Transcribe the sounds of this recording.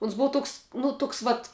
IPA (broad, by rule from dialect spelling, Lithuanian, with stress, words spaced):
ʊns ˈbʊɐ ˈtoːks nʊ ˈtoːks ˈʋɐt